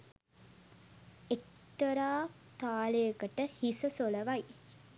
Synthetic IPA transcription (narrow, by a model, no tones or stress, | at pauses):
ek̚t̪əɾaː | t̪aːləjəkəʈəhisəsoləʋaj